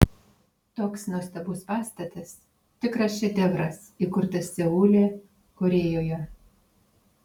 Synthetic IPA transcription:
t̪oːksnuɔst̪ɐbʊːspɑːst̪ɐt̪ɐs | t̪ʲɪkɾɐsʲt͡ʃʲɛd̪ʲɛʋɾɐs | iˑkʊɾt̪ɐsʲsʲɛuːlʲeː | koɾʲeːjoːjɛ

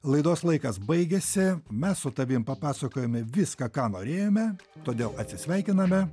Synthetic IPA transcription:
lˠɐɪd̪oːslˠɐɪkɐsbɐɪɡʲɛsʲɪmʲɛssʊt̪ɐʋʲɪmpɐpɑːsɐkoːjomʲɛʋʲɪskɐkɑːnoːɾʲeːjoːmʲɛ | t̪oːd̪ʲeːlˠɐt̪ʲsʲɪsʲʋʲɛɪkʲɪnɐmʲɛ

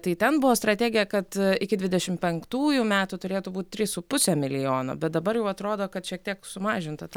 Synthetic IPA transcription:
t̪ɐɪt̪ʲɛnbʊʋoːst̪ɾɐt̪ʲæːɡʲɪjɛkɐt̪ɪkʲɪd̪ʲʋʲɪdʲɛʃʲɪmpʲɛŋkt̪uːjʊmʲæːt̪ʊt̪ʊɾʲeːt̪ʊbuːt̪̚ʲt̪ʲɾʲɪsʊpʊsʲɛmʲɪlʲɪjoːno̰bʲɛt̪̚d̪ɐbɐɾjɛʊɐt̪ɾoːd̪oːkɐt̪ʃʲiɛk̚t̪ʲiɛksʊmɑːʒʲɪnt̪ɐt̪ɐ

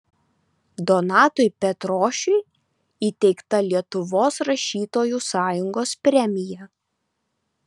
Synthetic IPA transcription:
d̪ɔnɑːt̪ʊɪpʲɛt̪ɾoːʃʲʊɪ | iːt̪ʲɛɪkt̪ɐlʲiɛt̪ʊʋoːsɾɐʃʲiːt̪oːjuːsɑːjʊŋɡoːspʲɾʲɛmʲɪjɛ

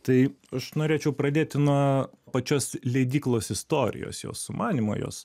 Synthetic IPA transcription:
t̪ɐɪɐʃnoːɾʲeːt͡ʃʲɛʊpɾɐd̪ʲeːt̪ʲɪnuɔpɐt͡ʃʲoːslʲɛɪd̪ʲiːklˠoːsɪst̪oːɾʲɪ̰jo̰ːsjo̰ːssʊmɑːnʲimo̰jo̰ːs

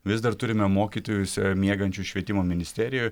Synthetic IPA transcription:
ʋʲɪzd̪ɐɾt̪ʊɾʲɪmʲɛmoːkʲiːt̪oːjʊsʲmʲiɛɡɐnʲt͡ʃʲʊʃʲʋʲiɛt̪ʲɪmoːmʲɪnʲɪsʲt̪ʲæɾʲɪjʊj

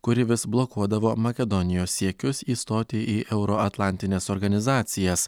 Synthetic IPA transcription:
kʊɾʲɪʋʲɪsblˠɔkuɔd̪ɐʋoːmɐkʲɛd̪ɔnʲɪjoːsːʲiɛkʲʊsiːst̪oːt̪ʲeːʔiːʔʔɛʊɾɔɐt̪lˠɑˑnʲt̪ʲɪnʲeːsɔːɾɡɐnʲɪzɑːt̪sʲɪjɛs

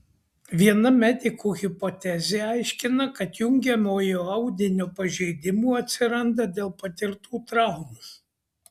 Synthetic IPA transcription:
ʋʲiɛnɐmʲɛd̪ʲɪkuːɣʲɪpɔt̪ʲɛzʲeːɐɪʃʲkʲɪnɐkɐt̪jʊŋʲɡʲɛmʲoːjoːɐʊd̪ʲɪnʲoːpɐʒʲɛɪd̪ʲɪmuːɐt̪ʲsʲɪɾɐnd̪ɐd̪ʲeːlˠpɐt̪ʲɪɾt̪uːt̪ɾɑˑʊmus

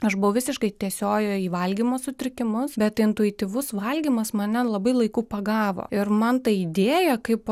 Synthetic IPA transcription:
ɐʃbʊʋɐʊʋʲɪsʲɪʃkɐɪt̪ʲiɛsʲoːjoːiːʋɐlʲɡʲiːmoːsʊt̪ʲɾʲɪkʲɪmʊsbʲɛt̪ɪnt̪ʊɪt̪ʲiːʋʊsʋɐlʲɡʲimɐsmɐnʲɛlˠɐbɐɪlˠɐɪkuːpɐɡɑːʋo̰ːɪɾmɐnt̪ɐid̪ʲeːjɛkɐɪp

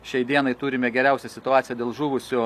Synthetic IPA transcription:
ʃʲɛɪd̪ʲiɛnɐɪt̪uːɾʲɪmʲɛɡʲɛɾʲɛˑʊsʲɛsʲɪt̪ʊɑːt̪ʲɪjɛd̪ʲeːlˠʒuːʋʊsʲʊ

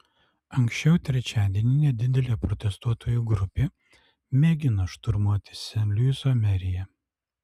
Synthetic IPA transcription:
ɐŋʲksʲt͡ʃʲɛʊt̪ʲɾʲɛt͡ʃʲæːd̪ʲiɛnʲɪnʲɛd̪ʲɪd̪ʲɛlʲeːpɾɔt̪ʲɛst̪uɔt̪oːjuɡɾʊpʲeː | mʲeːɡʲɪnɐʃt̪ʊɾmuɔt̪ʲɪ̥sʲɛnʲlʲysomʲɛɾʲɪjɛ

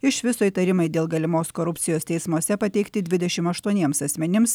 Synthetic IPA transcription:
ɪʃʋʲɪsoːjit̪ɐɾʲɪmɐɪd̪ʲeːlˠɡɐlʲɪmoːskoːɾʊpʲtsʲɪjoːst̪ʲɛɪsmuɔsʲɛpɐt̪ʲɛɪkt̪ʲɪd̪ʲʋʲɪd̪ʲɛʃʲɪmɐʃt̪uɔnʲiɛmsɐsʲmʲɛnʲɪms

